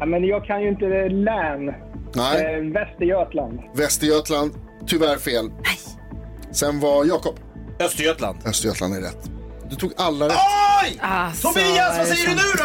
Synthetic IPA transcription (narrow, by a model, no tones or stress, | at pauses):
mɛnjɑːɡ̚kʰanjɵɪnt̪əd̪ɛlæːn | nɛɪvɛst̪ɪøːt̪land̪vɛst̪ɪøːt̪land̪ | t̪ʰʏvæɾfeːl | sɛnvajɑːkɔpː | œst̪øːt̪la̰nd̪̥œst̪ø̰ːla̰nd̪æɾɛ̰t̪ː | d̪ɵt̪ʰuːɡʔalːaɾɛ | t̪ʰɔiasɛjəɾɪnɵ